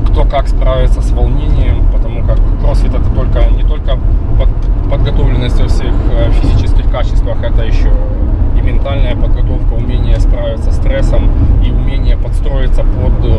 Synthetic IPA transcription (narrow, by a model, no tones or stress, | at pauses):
kt̪o̞kaksp̪ɾavʲɪt̪səsvɐlˠnʲenʲɪjəmpət̪ɐmukakrosvʲɪt̪ɛt̪ət̪o̞lʲkənʲɪt̪o̞lʲkəpəpəd̪ɡɐt̪o̞vlʲɪnːəsʲtʲɐfsʲixfʲɪzʲit͡ɕɪskʲɪxkat͡ɕɪst̪vəxɛt̪əjɪɕːoɪmʲɪnt̪alʲnəjəpəd̪ɡɐt̪o̞fkəʊmʲenʲɪjəsp̪ɾavʲɪt̪sːəst̪ɾɛsəmiʊmʲenʲɪjəpɐt̪st̪ɾo̞ɪt̪səpod̪